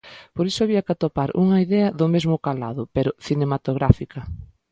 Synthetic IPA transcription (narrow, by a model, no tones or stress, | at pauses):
poɾisʊaβiɐkat̪opaɾṵŋɐiðɛɐðʊmezmʊkala̰ðʊpeɾʊθinemat̪oɣɾafikɐ